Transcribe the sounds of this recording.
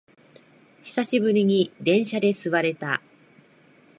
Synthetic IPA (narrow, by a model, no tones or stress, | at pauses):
çi̥saɕibɯɾʲiɲ̟id̪ẽ̞ɰ̃ɕad̪e̞sɨβaɾe̞t̪a